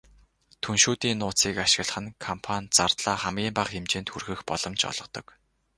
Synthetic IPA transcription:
t̪ʰunʃuːt̪iːnːʊːt͡siːkaʃɪ̆ɣ̆ɮχɘ̆nkʰɔmpʰant͡sart̪ɮaːχamɡʲiːmpaχxemt͡ɕeːnt̪xurxɘ̆xpɔɮɞ̆mt͡ɕɔ̰ɮ̥ɞ̆qt̪ɞ̆k

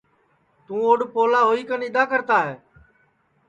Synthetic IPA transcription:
t̪ũːoːɖpoːlaːɦoːiːkənɪd̪aːkəɾt̪aːɦeː

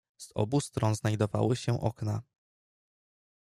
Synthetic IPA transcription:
z̥ɔ̰bust̪ɾɔnznajd̪ɔva̰wɘɕɛ̃ʔɔkna

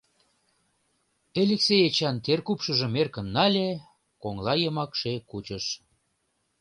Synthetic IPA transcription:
elʲeksejet͡ɕɑnt̪erkupʃə̆ʒə̆merkə̆nːɑlʲe | koŋlɑjəmɑkʃekut͡ɕəʃ

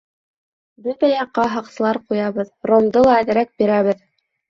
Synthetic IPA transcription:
bɘt̪æjɑqːɑɦɑqsɤ̆lˠɑɾqujɑβɤðɾond̪ɤlˠɑæðɘ̆ɾæk̚biɾæβɘð

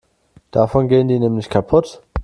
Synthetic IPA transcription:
d̥afɔnɡeːəndiːnɛːmlɪçkʰapʰʊt

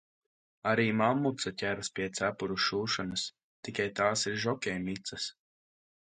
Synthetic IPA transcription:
aɾiːmamːut̪sat̪ʲæɾspʲiɛt̪sæpuɾuʃuːʃɔnɨs | t̪ikajt̪aːsiɾʒɔkʲɛjmit̪sɐs

